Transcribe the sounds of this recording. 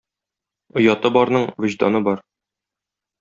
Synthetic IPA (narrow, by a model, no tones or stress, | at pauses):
ŏjɑt̪ɤbɒɾnɤɴvɘ̆ʑd̪ɑ̰nɤbɒɾ